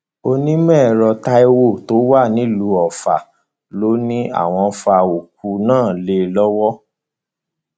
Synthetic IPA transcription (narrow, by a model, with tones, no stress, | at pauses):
o˧nĩ˦mɛ̃ː˦˨ɾɔ˧ta˧e˧wo˦˨to˨˦wa˦˨nĩ˨˦lu˨˧˦ɔ˨fa̰˨ | lo˦nĩ˦a̰˦˨w̃ɔ̃˧fa˧o˨k̚u˧˦nãː˦˨le˧lɔ˦wɔ˦